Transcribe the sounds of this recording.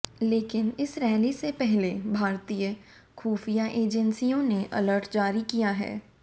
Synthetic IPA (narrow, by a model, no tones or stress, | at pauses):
leːkɪnɪsɾɛːlisepɛɦlebʱaːɾt̪ijə | kʰuːfijaʔeːd͡ʒənsijõneʔɐ̰ləɾʈd͡ʒaːɾikijaɦɛ̰ː